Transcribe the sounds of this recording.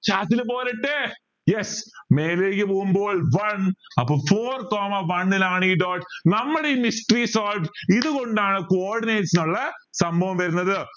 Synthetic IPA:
t͡ɕaːt̪ːilɨpoːlɐʈːe | jesme̞ːleːkʲːɨpoːɣumboːɭʋɐnɐpːoːfoːrkoːmɐʋɐɳilaːɳiːɖoːʈnɐmːɐɽeimisʈriːsoːlʈiðuko̞ɳɖaːɳɨkoːrɖineːʈsinuɭːɐ | sɐmbʱɐʋɐmʋɐɾunːɐðɨ

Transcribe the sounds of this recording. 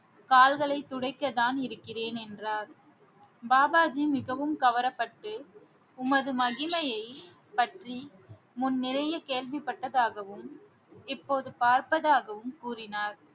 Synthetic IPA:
kaːlɣɐɭɐɪt̪ːʊɽɐɪkːɐðaːnɪɾɯkːɪreːnɛndraːɾ | baːbaːd͡ʒimɪɣɐʋɯmkɐʋɐɾɐpːɐʈːɯ | ʊmɐðɯmɐɣɪmɐjɐɪ | pɐʈri | mʊnːɪɾɐjɐkeːɭʋɪpːɐʈːɐðaːɣɐʋɯm | ɪpːoːðɯpaːɾpɐðaːɣɐʋɯmkuːrɪnaːɾ

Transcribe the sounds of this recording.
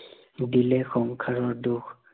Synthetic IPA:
dilɛxɔŋkʰaɹɔɹduk

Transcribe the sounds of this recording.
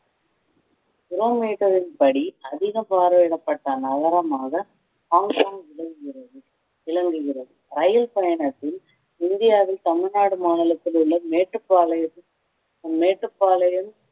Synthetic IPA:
kɪɾoːmeːʈːɐɾɪnpɐɽiɐðɪɣɐpaːɾʋɪɽɐpːɐʈːɐnɐɣɐɾɐmaːɣɐ | kaːŋpaːmʋɪlɐŋɡɯɣɪɾɐðɯ | ɪɭɐŋɡɯɣɪrɐðɯɾɐjɐlpɐjɐɳɐt̪ːɪl | ɪnd̪ɪjaːʋɪlt̪ɐmɪɻnaːɽɯmaːnɪlɐt̪ːɪlɯɭːɐmeːʈːɯpːaːlɐjɐ | meːʈrɯpːaːlɐjɐm

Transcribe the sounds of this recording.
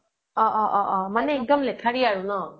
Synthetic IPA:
ɔʔɔʔɔʔɔmanɛiŋkɔmlɛkʰaɹiaɹunɔ

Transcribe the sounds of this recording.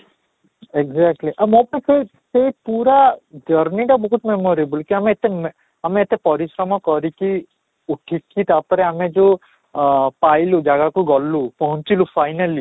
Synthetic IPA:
eɡzakʈliʔamɔpɔnike | sepuɾad͡ʒəɾniʈabɔɦut̪memɔɾebulkiameːt̪em | ameːt̪epɔɾisɾɔmɔkɔɾiki | uʈʰikːit̪apɔɾɛamed͡ʒe | pajlud͡ʒaɡakuɡɔlːupɔɦɔ̃nt͡ʃilupʰajnali

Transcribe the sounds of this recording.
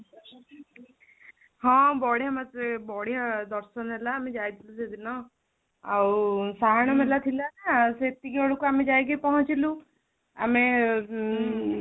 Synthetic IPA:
hɔ̃bɔɽijamat̪ɾebɔɽ̤ijad̪ɔɾsɔnelaːmed͡ʒajt̪ʰilused̪inɔ | awsaɦaɽ̃ɔmelat̪ʰilanaset̪iɡeoɭukuamed͡ʒajɡejpɔɦɔ̃t͡ʃilu | a̰me

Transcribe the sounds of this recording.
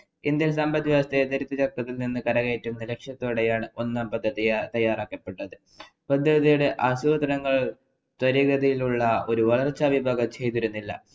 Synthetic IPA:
ind̪jɐnsɐmbɐd̪jɐɐst̪ed̪ɐɾit̪ːɐt͡ɕɐk̚k̪ːɐt̪ːilninːɨkɐɾɐɣejtːunːɐle̞kʂjɐt̪ːoːɽejaːɳɨo̞nːaːmpɐd̪ʱːɐðijɐt̪ɐjːaːraːkːɐpːe̞ʈːɐðɨ | pɐd̪ʱːɐðijuɽe̞ʔɐsuːd̪ɐɾɐŋːɐɭ | t̪wɐɾiɡɐd̪ʱɐjiluɭːɐo̞ɾuʋɐɭɐrt͡ɕːɐbibʱaːɡɐt͡ɕe̞jt̪iɾunːilːɐ̰

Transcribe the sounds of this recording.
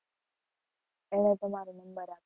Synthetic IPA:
eɽ̃ẽt̪əmaːɾenɐmbəɾa

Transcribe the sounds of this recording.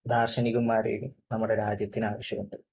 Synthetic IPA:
d̪ʱaːrɕɐniɣumːaːɾḛjumnɐmːuɽe̞ɾaːd͡ʑjɐt̪ːinaːʋɐɕjɐɣoɳɖɨ

